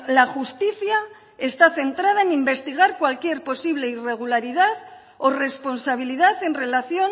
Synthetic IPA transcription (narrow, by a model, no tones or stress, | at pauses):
laxust̪iθja | e̞st̪aθe̞nt̪ɾað̞aenimbe̞st̪iɣ̞aɾkwalkje̞ɾpo̞siβ̞le̞ire̞ɣ̞ulaɾiðaθ | ore̞spo̞nsaβ̞iliðaθe̞nre̞laθjo̞ŋ